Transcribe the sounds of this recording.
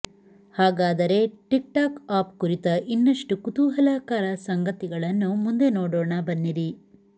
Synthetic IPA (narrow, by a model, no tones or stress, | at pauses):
haːɡaːd̪ɐɾe̞ʈik̚ʈaːkaːpkuɾit̪ɐʔinːɐʂʈukut̪uːɦɐlaːkaːɾɐsɐŋɡɐt̪iɡɐɭɐnːumund̪e̞noːɽoːɳɐbɐnːiɾi